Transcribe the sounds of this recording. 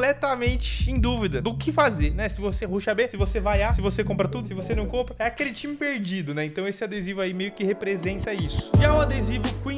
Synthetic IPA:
lɛt̪amẽnt͡ʃɪ̥ẽj̃d̪uvid̪ɐd̪ʊkɪfazeɾnɛsɪvosehuʃɐbesɪvosevajasɪvosekõmpɾɐt̪ud̪ʊsɪvosenɐ̃w̃kõmpɾɐɛakelɪt͡ʃĩmɪpeɾd͡ʒid̪ʊnɛẽnt̪ɐ̃w̃esɪad̪ezivʊaimejʊkɪhepɾezẽnt̪ɐisʊ̥ɪaũad̪ezivʊkwĩ

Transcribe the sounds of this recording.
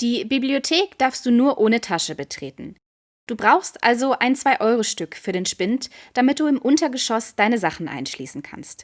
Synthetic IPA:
d̥iːbibliotʰeːkd̥aɐfstd̥uːnuːɐʔoːnətʰaʃəbətʁ̥eːtn̩ | d̥uːbʁaʊxstʔa̰lzoʔaɪnt͡sv̥aɪʔɔʏʁoʃtʏkfyːɐɾeːnʃpɪntd̥amɪt̚d̥uːɪmʔʊntɐɡəʃɔsd̥aɪnəzaχn̩ʔa̰ɪnʃlḭːsn̩kʰa̰nst

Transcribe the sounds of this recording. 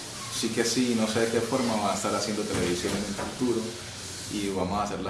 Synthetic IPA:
sikesino̞seðekefo̞ɾmaβaest̪aɾasjend̪ot̪eleβisjonenentult̪uɾo | iβamosaseɾla

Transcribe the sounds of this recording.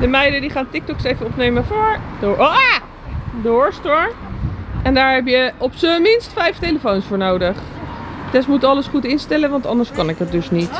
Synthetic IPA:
dəmɛjdədiχaːntɪk̚tɔksejvənɔpnejməvʊːɹdʔo | dʊːɹstoɹʔɛndaːɹɦɛpjəɔpsəmɪnstfɛjftejləfownsfʊːɹnowdəχ | tɛsmutɑləsχutɪnstɛlənʋɑntɑ̰ndəɹskɑnɪkɦət̚dɵsnit

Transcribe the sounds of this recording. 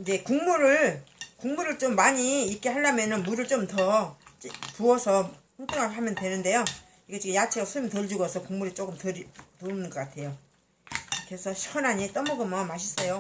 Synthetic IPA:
je̞kuŋmuɾɯɭkuŋmuɾɯɭt͡ɕ͈omːaɲiːk͈ehaɭːamjʌnɯnmuɾɯɭt͡ɕ͈omtʌt͡ɕpuʌsʰʌpaŋtʰoŋaɭɦamjʌndwe̞nɯnde̞jo | iɡet͡ɕ͈ikɯjat͡ɕʰeɡasʰumitɯɭd͡ʑuɡʌsʰʌkuŋmuɾit͡ɕ͈ok͈ɯmtɯɾtoɯnɯnɡʌk͈atʰe̞jo | kesʰʌɕʰixʰʌnɦaɲit͈ʌmʌɡɯmʌnmaɕʰis͈ʌjo

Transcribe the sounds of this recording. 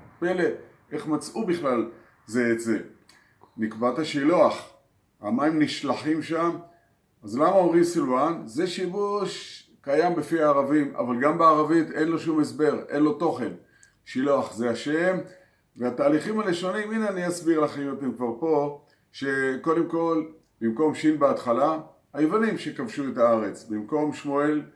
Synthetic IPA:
pele | eχmat͡sʔubiχlal | zeːtze̞ | nikbat̪aʃiluaχ | amaimniʃlaħimʃam | azlamaomʁimsiluanze̞ʃivuʃ | kajambefiaːʁavima̰valɡambeaʁavit̪e̞nloʃumesbe̞ʁʔe̞nlo̞t̪o̞χe̞n | ʃiloaχzeaʃe̞m | veat̪aːliχimhaleʃo̞niminaniasbiʁlaχimot̪emkvaʁpo̞ | ʃe̞ko̞de̞mko̞l | b̥imko̞mʃinbeatχala | ajevanimʃe̞kavʃuetaaʁe̞t͡sbimko̞mʃmoel

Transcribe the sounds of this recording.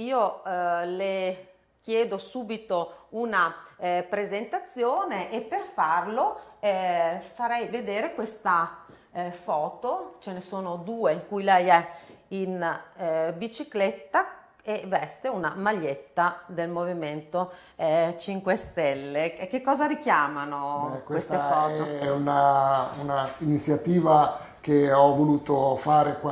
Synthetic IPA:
iːole | k̟jeːd̪osuːbit̪ounapɾezent̪at̪sːjoːneʔepːerfarloɛfaɾɛjved̪eːɾekwest̪a | fɔːt̪ot͡ʃenesoːnod̪uːeiŋkujlɛjɛin | bit͡ʃiklet̪ːa | evɛst̪eunamaʎːet̪ːad̪elmoviment̪o | ɛt͡ʃiŋkwest̪ɛlːekekːɔːzaɾikjaːmanokwwest̪efɔːtɛounaunainit̪sːjat̪iːva | keɔvoluːt̪ofaːɾek

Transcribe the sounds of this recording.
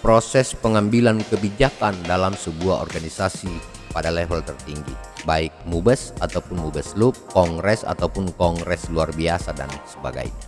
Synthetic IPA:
pɾosɛspəŋambilankəbid͡ʒakandalamsəbuaɔ̰rɡanisasi | padalɛfɔlt̪ərt̪iŋɡḭbaik̚mubəsat̪awpʊnmubəslup̚kɔŋɡɾɛsa̰t̪awpʊnkɔŋɡɾɛsluarbiasada̰nsəba̰ɡa̰jɲa

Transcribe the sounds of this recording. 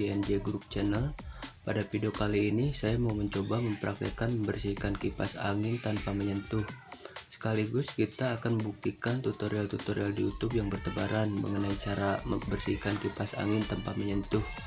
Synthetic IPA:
ɛnd͡ʒeɡɾup̚t͡ʃɛnəlpadapidokaliːnisajamauməɲt͡ʃobaməmpəɾʔak̚t̪ə̰kanməmbərsikankipa̰sa̰ŋɪnt̪anpaməɲənt̪ʊhsə̥kaliɡʊskit̪aːkanməmbuk̚t̪ikant̪ut̪oɾialt̪ut̪oɾialdiut̪ʊp̚jaŋbərt̪əbaɾanmə̰ŋənait͡ʃaɾabərsihkankipasa̰ŋɪnt̪əmpaməɲənt̪ʊh

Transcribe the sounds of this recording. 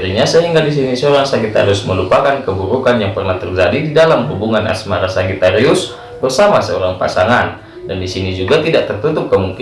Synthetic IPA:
ɾiɲasəɦiŋɡadis̬inisəoɾaŋsaɡit̪a̰ɾiʊsməlupakankəbuɾukanjaŋpərnaht̪ərd͡ʒadididalamɦubuŋanʔa̰smaɾasaɡit̪aɾiʊs | bərsamasəoɾaŋpa̰saŋan | dandisinid͡ʒuɡat̪idaʔt̪ərt̪ut̪ʊp̚kəmuŋk

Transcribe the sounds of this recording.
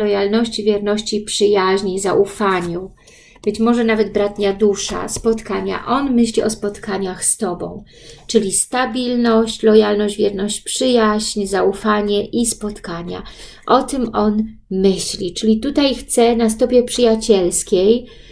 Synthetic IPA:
ɔjalnɔɕt͡ɕivʲjɛɾnɔɕt͡ɕipʂɘjaʑɲizaʔufaɲu | b̥ɘt͡ɕmɔʐɛnavɛd̪bɾat̪ɲad̪uʂa̰spɔt̪kaɲa̰ʔɔnmɘɕlʲiʔɔspɔt̪kaɲaxst̪ɔbɔ̰̃w̃ | t͡ʂɘlʲist̪abʲilnɔɕt͡ɕlɔjalnɔɕd͡ʑvʲjɛɾnɔɕt͡ɕpʂɘjaʑɲzaufaɲɛʔispɔt̪kaɲa̰ | ʔɔt̪ɘmɔnmɘɕlʲit͡ʂɘlʲit̪ut̪ajxt̪sɛnas̬t̪ɔpʲjɛpʂɘjat͡ɕɛlskʲej

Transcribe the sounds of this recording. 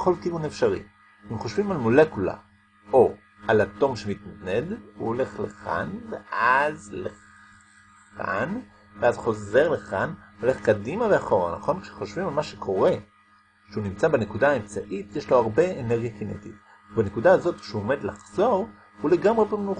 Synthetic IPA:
χo̞lkiunefʃaʁḭ | imχo̞ʃvimalmole̞kula̰ | ʔo | alato̞mʃemit̪naneduole̞χleχa̰nveazle | a̰n | veazχo̞ze̞ʁleχanole̞χkadimaveaχo̞ʁa̰naχo̞nkʃeχo̞ʃvimalmaʃe̞kʰo̞ʁe̞ | ʃeunimt͡sabenekudaːemt͡saʔitjeʃlo̞aʁbe̞eneʁɡijakinḛtit | bane̞kudaazo̞tkʃeuome̞d̪laχz̥o̞ʁ | hule̞ɡamʁebemnu

